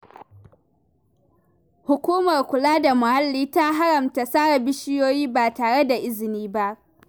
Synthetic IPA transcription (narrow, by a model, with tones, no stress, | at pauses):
hʊ˨kʷuː˦mɐ˨rkʷʊ˨laː˦da˨mʊ˨ha˦lːiː˦ta˦ɦa˦ɽɐ˨mta˨saː˦ɽa˨bɪ˦ʃɪ˦joː˦jiː˦baː˨taː˨ɽe˦da˨ʔɪ˦zɪ˨niː˦ba˦ʔ